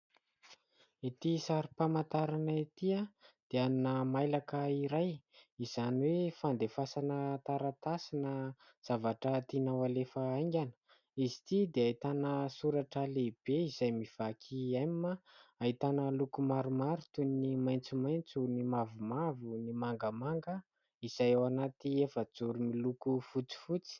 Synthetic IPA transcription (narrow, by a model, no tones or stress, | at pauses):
it̪isaɾipamant̪aɾanait̪iad̪̥eanunəmajlakəiɾajiz̥aniwefand̪efasanət̪aɾat̪asinə | z̥avaʈ͡ʂət̪inawalefəajŋɡʲanə̥ | izi̥t̪id̪eait̪anəsuɾaʈ͡ʂəleb̥eizajmiv̥akʰiamimaaɦit̪anəlukumaɾumaɾut̪unimajnt͡sumajnt͡sunimavumavunimaŋɡəmaŋɡə | iz̥ajawanat̪iefəd͡zuɾumilukufut͡si̥fut͡si̥